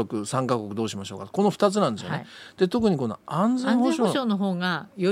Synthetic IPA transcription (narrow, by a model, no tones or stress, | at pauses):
okɯ̟sãŋkakokɯ̟d̪o̞ːɕimaɕo̞ːkat̪ko̞no̞ɸɯ̟̥t̪at͡sɨnãnd̪esɨjoned̪̥e̞t̪o̞k̬ɯ̟ɲ̟iko̞no̞̰ãnd͡zẽŋkoɕooɕoːnoɦoːŋajo